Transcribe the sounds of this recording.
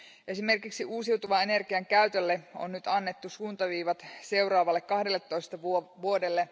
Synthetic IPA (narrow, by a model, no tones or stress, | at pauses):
ʔe̞sime̞rkiksiʔuːsiwt̪uʋɑene̞rɡ̥iɑŋkæyt̪ølːeo̰nnyt̪ɑnːe̞t̪ːusuːnt̪ɑʋiːʋɑt̪se̞wrɑːʋɑlːekːɑhdelːet̪ːoist̪ɑʋʋuo̞de̞lːe